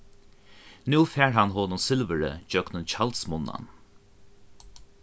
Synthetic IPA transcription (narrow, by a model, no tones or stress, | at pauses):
nuːfɛːɹɦanɦɔːnʊnsɪlvəɹə̰d͡ʒœknʊnt͡ʃʰalt̪smʊnːa̰n